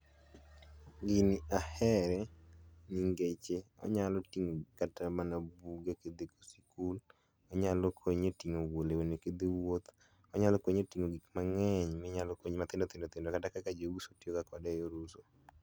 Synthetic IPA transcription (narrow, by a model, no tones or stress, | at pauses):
ɡiniahɛɾɛniŋɡet͡ʃe | ɔ̰ɲalɔtiŋokatamanabuɡaked̪eko̥si̥kul | ɔɲalɔkʰoɲetiŋowolewoneked̪iwot̪ | ɔɲalɔkoɲotiŋoɡikmaŋɛɲmɪɲalɔkoɲmat̪ɪndot̪endot̪endokatakakad͡ʒowuso̥tjokakɔdɛjoɾuso